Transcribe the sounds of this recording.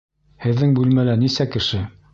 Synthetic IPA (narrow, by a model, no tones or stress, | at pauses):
hɘ̆ðːɘŋbʉlmælænisækɘ̆ʃɘ